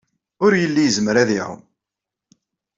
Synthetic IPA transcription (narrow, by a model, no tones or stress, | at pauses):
ʊɾjəlːijəzmɾæðiʕʊ̰m